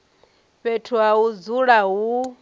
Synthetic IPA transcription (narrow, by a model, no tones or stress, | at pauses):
ɸɛtʰuaud͡zuɺaɦu